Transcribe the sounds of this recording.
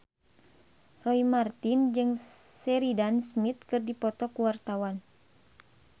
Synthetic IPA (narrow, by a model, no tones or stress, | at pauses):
rɔimart̪ind͡ʒɨŋsɛɾidansmit̪̚kɨrdipɔt̪ɔkuwart̪awan